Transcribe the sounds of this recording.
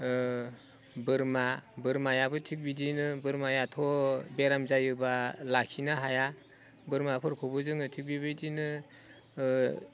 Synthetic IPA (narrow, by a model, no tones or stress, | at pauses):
bɯɾmabɯɾmajabɯtʰik̚bidinɯbɯɾmajatʰɔbeɾamzajɯbalakʰinaɦaja | bɯɾmapʰɯɾkʰɔbɯzɯŋɯtʰik̚bibɯjdinɯ